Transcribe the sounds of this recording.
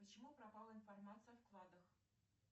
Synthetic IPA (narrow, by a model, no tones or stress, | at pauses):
pət͡ɕɪmuprɐpɑlˠəinformɑt̪sɨjɐwklˠɑd̪ɤx